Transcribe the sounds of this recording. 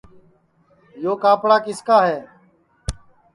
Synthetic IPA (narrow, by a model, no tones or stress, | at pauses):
joːkaːpɽaːkɪskaːɦɛeː